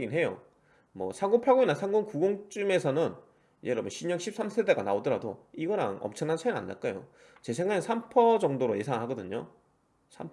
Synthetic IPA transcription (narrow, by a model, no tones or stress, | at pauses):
ɡinɦejo̰ | mʌ̰sʰaŋɡoŋpʰaɡoinasʰaŋɡoŋkuɡoŋt͡ɕ͈ume̞sʰʌnɯn | jeɾɯmoɕʰiɲʌŋɕʰip̚s͈amsʰede̞ɡanaodʌɾado̰iɡʌɾa̰ŋʌ̰mt͡ɕʰʌŋnant͡ɕʰajna̰nːa̰ɭk͈ajo̰ | t͡ɕe̞s̬ʰeŋaɯnsʰampʰʌd͡ʑʌŋdoɾoje̞sʰaŋɭɦaɡʌdɯɲo | sʰam